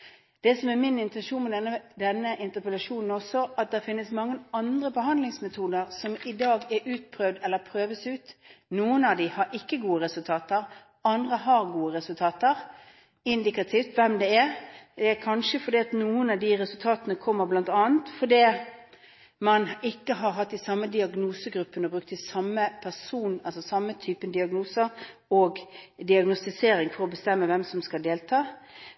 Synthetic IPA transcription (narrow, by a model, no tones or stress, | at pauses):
d̪̥ɛsɔmæɾmɪnɪnt̪ɛnʃuːnmɛd̪ɛnːəd̪ɛnːəʔɪnt̪əpɛlɑʂuːnn̩ɔsːɔʔɑt̪̚d̪ɛfɪnːəsmɑŋːəɑnd̪ɾəbəɦɑnd̪lɪŋsmɛt̪ʰuːd̪əʁsɔmɪd̪ɑːɡɛɾʉːt̪̚pʰɾøːʋd̪ɛlːəɾpʰɾøːʋəsʉːt̪nuːənɑʋd̪ɪhɑɾʔɪkːəɡuːəɾɛsʉlt̪ʰɑːt̪əɾ | ɑnd̪ʁəɦɑɾɡuːəɾɛsʉlt̪ʰɑːt̪əʁ | ɪnd̪ɪkɑt̪ʰiːft̪ʋɛmd̪ɛɛɾd̪ɛækʰɑnʃəfɔɾd̪iːɑt̪nuːənɑʋd̪iʁɛsʉlt̪ʰɑːt̪ənəkʰɔmːəɾblɑnt̪ɑːənt̪fɔd̪iː | mɑnɪkːəɦɑɾɦɑt̪ːɪsɑmːəd̪ɪɑɡnuːsəɡɾʉpːənɔbɾʉk̚t̪ɪsɑmːəpʰæsuːnɑlsɔsɑmːət̪ʰyːpənd̪ɪɑɡnuːsə | oːɡd̪ɪɑɡnʊst̪ɪseːɾɪŋfɔɾɔbəst̪ɛmːəʋɛmsɔmskɑld̪eːlt̪ʰɑː